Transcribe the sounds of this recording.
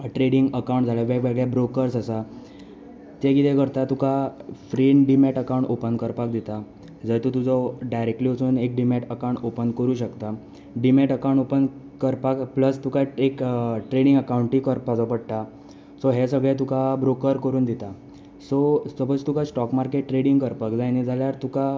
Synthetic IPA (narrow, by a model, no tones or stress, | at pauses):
ʈɾeɽiŋɡəkawɳʈd͡zʱaɭjaʋeɡʋeɡɭjabɾokəɾsəsa | t̪jaɡit̪ɛkəɾt̪at̪ukafɾinɖimɛʈəkawɳʈopənkəɾpakd̪it̪a | d͡zət̪ut̪ud͡zɔɖajɾek̚ʈliːəsuːnek̚ɖimɛʈəkawɳʈopənkəɾuːɕəkt̪a | ɖimɛʈəkawɳʈopən | kəɾpakpləst̪ukaekʈɾeɽ̃iŋɡəkauɳʈikəɾpad͡zɔpəɽʈ̪a | sɔɦɛsəɡɭɛ̃t̪ukabɾokəɾkəɾuːnd̪it̪a | sɔsəbət͡st̪ukasʈɔkmaɾkeʈːɾeɽiŋɡkəɾpakd͡zajnid͡zʱaljaɾt̪uka